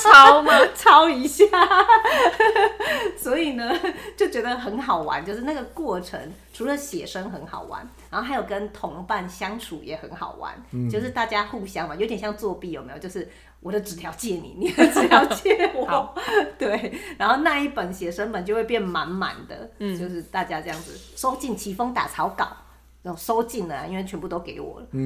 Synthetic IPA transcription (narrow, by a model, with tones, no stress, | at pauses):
t͡sʰɑ˦˥ʊt͡sʰɑ˦˥ʊi˧˥ɕja˥˨˩ | swɔ˧˥i˨˩nə˦t͡ɕjo˥˩ʊt͡ɕɥɛ˧˥d̪ə˧xə˧˦˥nxɑ˨˩ʊwa̰˧˦nt͡ɕjo˥˧ʊʂ̬ɻ̩˥˧na˥˩ɡə˩kwɔ˥˩ʈ͡ʂʰə̰˧˦ŋʈ͡ʂʰu˨˧˥lə˧ɕjɛ˨˩ʂə˥ŋxə˧˥nxɑ̰˨˩ʊwa̰˧˦nɻa˧˦nxo˥˩a˧˥ɪjo˨˩ʊkə˦nt̪ʰʊ˧˦ŋpa˥˩nɕjɑ˥ŋʈ͡ʂʰṵ˨˩jɛ̰˨˩xə˧˦nxɑ̰˨˩ʊwa̰˧˦nt͡ɕjo˥˧ʊʂ̬ɻ̩˥˧t̪a˥˩t͡ɕja˦˥xu˥˩ɕjɑ˥ŋfa˧˩jo˧˦t̪jɛ˨˩ɕjɑ˥˧ŋt͡swɔ˥˧pi˥˩jo˨˩me˦˥jjo˥˧ʊʂɻ̩˥˩ | wɔ˨˩d̪ə˦ʈ͡ʂɻ̩˨˩t̪ʰjɑ˧˥ʊt͡ɕjɛ˥˩nḭ˨˩ni˨˩ə˧˦ʈ͡ʂɻ̩˨t̪ʰjɑ˧˦ʊt͡ɕɛ˥˩wɔ˨˩t̪we˥˩ɪɻa˧˥nxo˥˧ʊna˥˧i˥˩pə˨˩nɕjɛ˨˩ʂə˥ŋpə˨˩nt͡ɕjo˥˧we˥˧pjɛ˥˩nma˧˥nma̰˨˩nd̪ə̰˦t͡ɕjo˥˧ʊʂɻ̩˥˧t̪a˥˩t͡ɕja˦˥ʈ͡ʂɤ˥˧jɑ˥˩ŋd͡z̩˨˩ʂo˥ʊt͡ɕi˥˩nt͡ɕʰi˧˥fɤ˥ŋt̪a̰˨˩t͡sʰɑ˧˥ʊkɑ˨˩˦ʊ˥˨˩ | ʂo˥ʊt͡ɕi˥˩nlə˨˩i˥nwe˥˩ɪɥɛ˧˥pu˥˩t̪o˥ʊke˧˥˩ɪwɔ̰˨˩lə˦